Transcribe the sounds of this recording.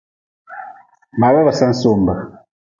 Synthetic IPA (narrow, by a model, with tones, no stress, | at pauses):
ma˨βa˦βa˨sa˦n̩˦so˦˨mba˨